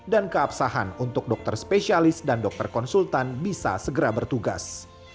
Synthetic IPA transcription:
dankəapsaɦanunt̪ʊk̚dɔk̚t̪ərspesialɪsdandɔk̚t̪ərkɔnsult̪anbisa̰səɡəɾabərt̪uɡa̰s

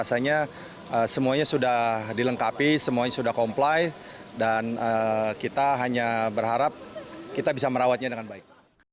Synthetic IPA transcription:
asaɲa | əsəmuaɲasudahdiləŋkapisəmuaɲasudahkomplaj | danəkit̪aɦaɲabərɦaɾap̚kit̪abisaməɾawat̪̚ɲadəŋanbaɪk̚

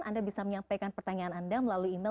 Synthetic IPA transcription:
andabisaməɲampajkanpərt̪aɲaːnandaməlaluina

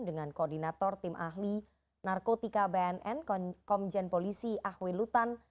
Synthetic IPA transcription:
dəŋankoːrdinat̪ɔrt̪ɪmʔa̰ɦli | narkot̪ikabɛɛnʔɛnkɔmd͡ʒɛnpolisiʔahwelut̪an

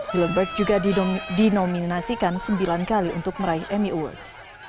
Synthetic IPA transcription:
hiləmbɛrɡ̚d͡ʒuɡadinominasikansəmbilankaliṵnt̪ʊk̚məɾaihʔɛmiʔəwɔ̰rds

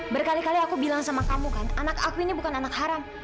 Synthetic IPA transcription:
bərkalikaliakubilaŋsamakamukananakakuinibukananak̚haɾam

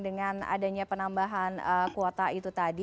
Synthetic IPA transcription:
dəŋana̰daɲapənambaɦanəkuɔt̪ait̪ut̪adi

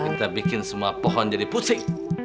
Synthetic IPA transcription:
kit̪abikɪnsəmuapɔɦɔnd͡ʒadiput̪ɪŋ

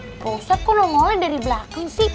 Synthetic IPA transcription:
posat̚kɔnɔŋɔwɛdaɾibəlakaŋsi

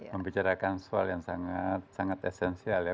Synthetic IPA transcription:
məmbit͡ʃaɾakansualjaŋsaŋat̪̚saŋat̪ɛsɛnsialja

